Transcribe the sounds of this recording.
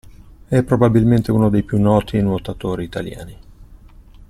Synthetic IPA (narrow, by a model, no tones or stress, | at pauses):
ɛpːɾobabilment̪euːnod̪ejpjunːɔːt̪inwot̪at̪oːɾiːt̪alja̰ːni